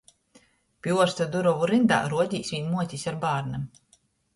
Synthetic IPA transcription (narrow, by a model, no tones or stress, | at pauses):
pjuɔɾst̪ad̪uɾɔvuɾind̪a̰ːɾuɔɟ̪ʲiːsviɲmuɔt̪ʲisaɾbaːɾnɛm